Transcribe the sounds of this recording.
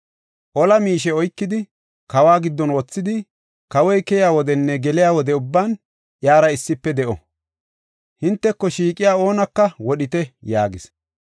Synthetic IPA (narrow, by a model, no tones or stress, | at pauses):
ʔɔlɐmiːʃ̬ɛɔjkːɪd̪ɪ | kɐwaːɡɪd̪ːɔnwɔt͡sːɪd̪ɪ | kɐwɔjkɛjaːwɔd̪ɛnːɛɡɛlɪjaːwɔd̪ɛʊbːaːn | ʔjaːɾɐɪsːɪpːɛd̪ɛʔɔ̰ | hɪnt̪ːɛkːɔʃiːkʼɪjaːo̞ːnɐkːɐwɔɗɪt̪ɛjaːɡɪs